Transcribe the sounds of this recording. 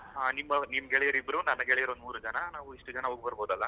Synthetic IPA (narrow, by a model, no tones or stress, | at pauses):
ɦaːnimːɐnimːɐɡɛɭɛjɐɾibɾunɐnːɐɡɛɭɛjɐɾond̪muːɾud͡ʒɐnɐnaːʋuiʂʈɐd͡ʒɐnɐɦoːɡ̚bɐɾboːd̪ɐlːɐ